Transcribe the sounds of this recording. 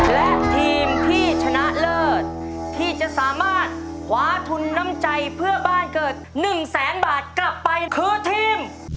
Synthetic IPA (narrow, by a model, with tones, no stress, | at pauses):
lɛ˦˥ʔt̪ʰiː˧mt̪ʰiː˥˩t͡ɕʰa˧naː˨˩t̪̚lɤː˥˩t̪̚t̪ʰːiː˥˩t͡ɕa˨˩ʔsaː˩˦maː˥˩t̪̚ | kʰwaː˩˦t̪ʰu˧nːa˦˥mt͡ɕa˧jpʰɯ˥˩ɐbaː˥˩nkɤː˨˩t̪̚nɯ˨˩ŋsɛː˩˦nbaː˨˩t̪̚kla˨˩pːa˧jkʰɯː˧t̪ʰiː˧m